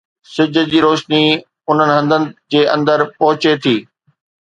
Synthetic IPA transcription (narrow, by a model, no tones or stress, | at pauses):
sɪd͡ʑʱə̆d͡ʑiːɾoːʃni | ʊn̤ənɪ̆ɦɐ̃nd̪ʱənɪ̆d͡ʑeːʔɐ̃nd̪əɾpɐɦʊt͡ɕet̪ʰiː